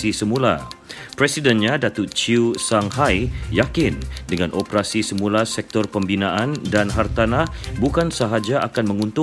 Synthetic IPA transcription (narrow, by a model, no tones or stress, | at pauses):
isəmũla̰pɾɛsidɛnɲadat̪ʊt͡ʃiusaŋɦajjakɪndəŋãnʔopəɾasisəmũlasɛk̚t̪ɔrpəmbinãʔandanɦart̪anah | bukansaɦad͡ʒaʔakanmə̃ŋunt̪ʊ